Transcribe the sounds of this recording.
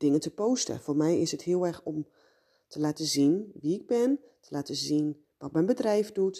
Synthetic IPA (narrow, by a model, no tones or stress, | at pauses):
d̥ɪŋəntəpowstə̰foːrmɛjɪsɦəthɪəlˠɛrxɔm | tʰəlaːtəzinʋiɪɡ̚bɪntʰəlaːtəzin | ʋɔt̚mɛjnbədrɛjfdut